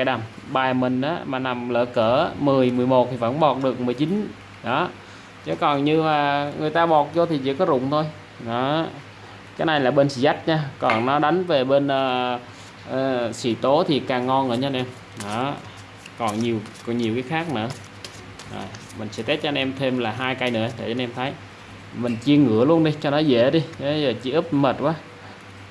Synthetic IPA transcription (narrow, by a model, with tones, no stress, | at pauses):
kaː˧˦jɗə˨˩mɓaː˨˩mï˨˩ŋ̟ʔaː˨˦maː˨˩na˨˩mlə̰ː˧˩kəː˧˩mɨ˨˩əjmɨ˨˩əjmo˨˩t̚t̪ʰi˨˩və̰˧˥˦nɓɔ˨˩t̚ɗɨ˨˩ək̚mɨ˨˩əjt͡ɕi˨˦n | ɗɔ˨˦ | t͡ɕe˨˦kɔ˨˩nɲɨ˧maː˨˩ŋɨ˨˩əjt̪aː˧ɓɔ˨˩t̚zo˧t̪ʰi˨˩t͡ɕḭ˧˥kɔ˨˦zʊ̰˧˨ŋ͡mt̪ʰo˧j | ɗɔ˨˦ | kaː˨˦jna˧jlaː˨˩ɓe˧nsḭ˧˥za˦˥t̚ɲaː˧kɔ˨˩nnɔ˨˦ɗa˨˦jŋ̟ve˨˩ɓe˧nʔəː˧˩˧ | sḭ˧˩t̪o˨˦t̪ʰi˨˩kaː˨˩ŋːɔ˧nʔɨ̰˧˩ɲː˧nʔɛ˧m | nɔ˨˦ | kɔ˨˩nɲi˨˩əwkɔ˨˩nɲi˨˩əwkaː˨˦xaː˦˥k̚nɨ̰˧˥ə | zo̰˨˩j | mï˨˩ŋ̟sɛ̰˧˥t̪e˦˥t̚ːnʔɛ˧mt̪ʰe˧mlaː˨˩ɦaː˧jka˧jnɨ̰˧˩ət̪a̰˧˩ʔːnʔɛ˧mt̪ʰə˨˦j | mï˨˩ŋ̟t͡ɕi˧əŋɨ̰˧˩əlu˧ənɗi˧t͡ɕɔ˧nɔ˨˦zḛ˧˩ɗi˧ɓə˨˦zəː˨˩t͡ɕḭ˧˦ʔɨ˦˥p̚mə˨˩t̚ʔaː˨˦